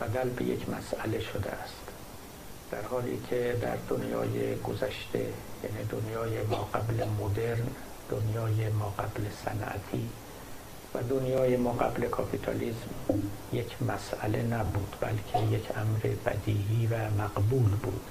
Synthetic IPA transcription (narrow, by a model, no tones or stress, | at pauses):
b̥æd̪ælbḛjḛcʰmæ̰sʔæle̞ʃod̪ḛæst̪ | d̪̥æɾhɒːlḭːcʰed̪æ̰ɾd̪onjɒ̰ːjeɡozæʃt̪ʰe̞̰jæ̰ːniːd̪onjɒːjemɒːɡæblemod̪e̞ɾn | d̪̥onjɒːjemɒːɡæblesæ̰nʔæ̰t̪ʰiː | væd̪onjɒːjemɒːɢæble̞kʰɒpʰit̪ʰɒ̰liːzmjecʰmæsʔæle̞næbuːd̪̥bæ̰lcʰejecʰʔæmɾḛbæ̰d̪iːhiːvæmæɡbuːlbṵːd̪̥